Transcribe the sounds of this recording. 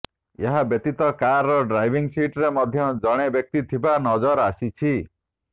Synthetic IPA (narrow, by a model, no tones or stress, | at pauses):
eɦabjet̪it̪ɔkaɾːɔɖɾajbʱiŋsiʈɾemɔd̪ʱjɔd͡ʒɔɽ̃ebjɔk̚t̪it̪ʰibanɔd͡ʒɔɾasit͡ʃʰi